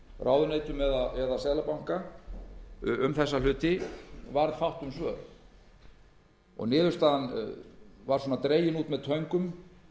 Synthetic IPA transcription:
raːwðʏneːjt̪ʏmɛðaɛðasɛːlapawŋ̥ka | ʏmθɛsːalʏːt̪ɪvaɾð̥fawht̪ʏmsvœ̰ːl | ɔ̰ɣnɪːðʏɾst̪aðan | vaɾ̥sɔːnat̪ɾeːjɪnuːt̪mɛðt̪ʰœɥŋkʏm

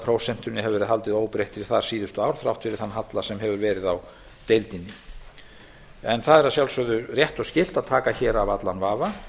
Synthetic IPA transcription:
pʰɾowsɛn̥t̪ʏnːɪɦɛvɛɾɪðɦal̪t̪ɪðoːwpɾejht̪fɪɾɪ̥θaɾ̥siːðʏst̪ʏawɾ̥θɾa̰wht̪fɪɾɪɾ̥θanːaɦat̪lasɛmɦɛvʏɾvɛːɾɪðaw | t̪ejlt̪inːɪ | ɛnθaðɛɾasjawlsœɣðʏrjɛht̪ɔɣscɪl̥t̪aðt̪ʰaːkaçɛːɾavat̪lanvaːva

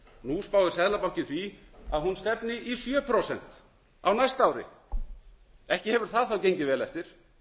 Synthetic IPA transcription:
nuspaːwðɪsɛðlapaw̥hcɪnθiaðhunst̪ɛpnɪʔisjœːpʰɾosɛn̥t̪ | awnajst̪aːwɾɪ̰ | ɛhcɪhɛvʏɾ̥θaðθawcejɲcɪvɛːlɛft̪ɪɾ̥

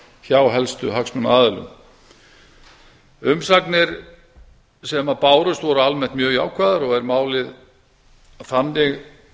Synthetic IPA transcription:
çaːwɦɛlst̪ʏɦaksmʏnaːðɪlʏ̰m | ʏmsaknɪɾ | sɛmapaːwɾʏst̪vɔɾʏalmɛn̥t̪mjœːɣja̰ːwkʰvaːðaɾɔɣɛɾmaːwlɪð | fanːɪɣ

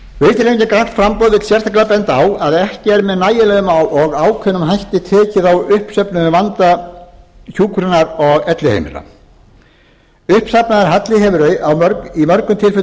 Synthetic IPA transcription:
vejt̪ɾeɲcɪkɾan̥t̪fɾampɔːwðvɪt̪sjɛr̥t̪aklapɛnt̪awaðɛhcɪɛɾmɛðnaːjɪlɛɣʏmawʔɔɣaːwkʰœnːʏmɦajht̪ɪt̪ʰɛːcɪðawʏhpsœpnʏvant̪a | çuːkɾʏnaɾɔɣɛt̪lɪhḛjmɪ̰ɾa̰ | ʏhpsapnaðaɾɦat̪lɪɦemʏɾœɥawmœɾkimœɾkʏmt̪ʰɪlfʏ

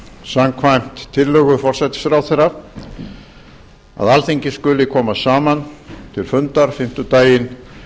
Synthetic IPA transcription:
samkʰvajm̥t̪ʰːɪllœːɣʏfɔr̥sɛt̪ɪ̥sfɾaːwθɛra | a̰ðalθiɲcɪskʏlɪkʰɔːmasaːmant̪ʰɪlfʏnt̪aɾ̥fɪm̥t̪ʏt̪aːjɪn

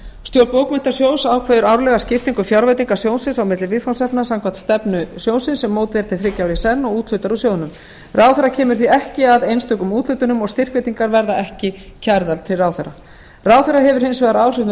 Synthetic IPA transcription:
st̪jowɾpoːwkmɪnt̪asjoːwnsawkʰvɛːðʏɾawɾlɛɣascɪft̪iŋkʏfjawɾvajt̪iŋkḁsjoːwnsɪnsawmɪt̪lɪvɪðfansɛpnasaŋkʰvan̥t̪st̪ɛpnʏsjoːwnsɪnsɛmːoːwt̪ɪɛɾ̥t̪ʰɪlθɾɪcːawɾisɛnːɔɣuːt̪l̥ʏt̪aɾusjoːwðʏnʏm | rʔawθɛɾacʰɛːmʏɾ̥θiɛhcɪaðejnst̪œːkʏmuːt̪l̥ʏːt̪ʏnʏmɔɣst̪ɪr̥kvet̪iŋkaɾvɛɾðaʔɛhcɪcʰaɾðalt̪ʰːɪlraːwθɛɾa̰ | rawθeɾaɦɛvʏɾ̥hɪnsvɛːðaɾaːwr̥ɪvn

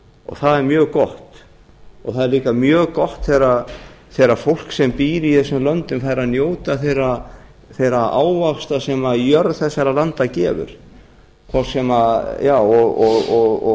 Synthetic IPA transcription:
ɔ̰ɣθaðɛɾmjœːɣkɔht̪ | ɔθaðɛɾliːkamjœːɣkɔht̪θejɾa | θejɾafowl̥ksɛmpiːɾɪiθɛsʏmlœnt̪ʏmfaɾanjoːwt̪aθejrɾa | θejɾaʔaːwvafst̪asɛmaðjœɾðθɛsːaɾalant̪acɛːvʏ̰ɾ̥ | kʰvɔ̥sɛmajaːwɔɣɔɣɔɣɔ

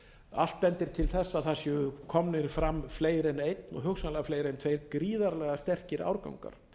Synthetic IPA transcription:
a̰l̥t̪̚pɛnt̪ɪɾ̥t̪ʰɪlθɛsːaðθasjʏkʰɔmnɪɾfɾamːfleːjɾɪnejt̪nɔ̰ɣɦʏxsanlɛɣafleːjɾɪnt̪ʰvejɾkɾiːðaɾlɛɣast̪ɛr̥cɪɾʔa̰wɾka̰wŋka̰ɾ̥

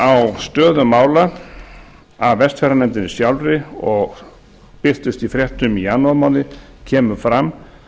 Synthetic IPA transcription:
awst̪œːðʏmaːwla | avvɛst̪fɛɾanɛnt̪ɪnɪsjawlɾɪɔɣ | pɪst̪ɪst̪ifɾjɛht̪ʏmianːɔmawnɪ | cʰɛːmʏfɾamː

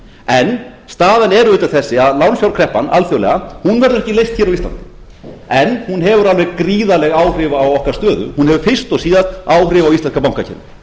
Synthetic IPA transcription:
ɛnst̪aːðɪnɛɾʏʏːt̪aθɛsːɪaðlawnsjawɾkʰɾɛhpana̰lθjowlɛ̰ɣahunvɛɾðʏɾɛhcɪlejst̪çɛːɾawist̪la̰nt̪ɪ̥ | ɛnhunɦɛvʏɾalvɛɣkɾiːðalɛɣaːwr̥ɪvaːwɔhkaɾ̥st̪œːðʏ̰hunhɛvʏfɪr̥st̪ɔɣsiːðat̪aːwrɪvawist̪ɛnskap̬awŋkacʰɛ̰nɪ̰

